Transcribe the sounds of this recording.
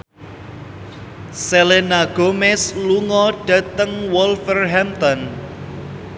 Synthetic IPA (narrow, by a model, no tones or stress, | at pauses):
selenaɡ̥omɛsluŋɔɖ̥a̤t̪əŋwɔlfərɦɛmt̪ɔn